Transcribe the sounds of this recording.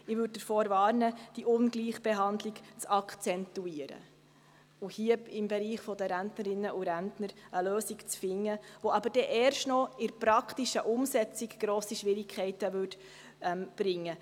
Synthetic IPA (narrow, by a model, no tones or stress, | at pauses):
ɪʋʏd̚dəɾfoːɾvɑːɾnəd̥iʔʊnɡliːχb̥ɛɦɑnd̪lɪɡt͡sɑkt͡sɛnt̪uiəɾə̰ | uhiəɪmbɛɾiːχfɔd̪əɾæntnəɾɪnːəʔuɾæntnəɾəløːsiɡt͡sfɪŋːəʋoɑbəɾd̥ɛʔɛːɾʃtnɔɪɾpɾɑkʰtiʃəʔʊmsɛt͡siɡɡ̥ɾoːsiʃʋɪɾɪkʰχɛɪtəʋʉt | ɛmb̥ɾɪŋːə